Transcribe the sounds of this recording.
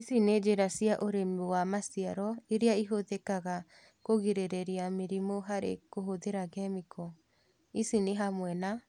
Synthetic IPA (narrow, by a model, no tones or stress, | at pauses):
isined͡ʒeɾasiaʔoɾemewamasiaɾɔeɾeaiɦoðɛkaɣa | koɣiɾeɾeɾiameɾimoɦaɾḛkoɦoðeɾaɣɛmikɔ | isineɦamwɛna